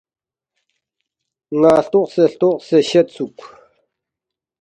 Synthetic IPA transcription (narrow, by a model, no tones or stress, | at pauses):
ŋaɬt̪oχsəɬt̪oχsəɕət͡sʰuk̚ʷ